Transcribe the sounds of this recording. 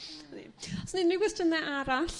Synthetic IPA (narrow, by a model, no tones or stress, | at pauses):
nḭɔsniniɡwɛstənɛʔaɾaɬ